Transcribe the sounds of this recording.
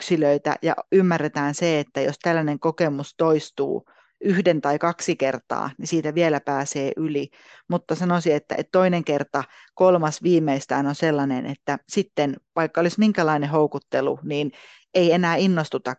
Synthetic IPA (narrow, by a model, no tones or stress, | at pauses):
ksiløit̪æ̰jɑ̰ymːærːet̪æːnseet̪ːæjost̪ælːæneŋkokemust̪oist̪ṵː | yhdent̪ɑikɑksikert̪ɑ̰ːnisiːt̪æʋielæpæːseːʔyli | mut̪ːɑsɑnosiet̪ːæ̰ʔḛt̪t̪oineŋkert̪ɑ | kolmɑsʋiːmːˑeist̪æːnonselːɑnḛnḛt̪ːæsit̪ːenʋɑikːɑolismiŋkælɑinehoukut̪ːelṵniːn | eienæːinːost̪ut̪ɑ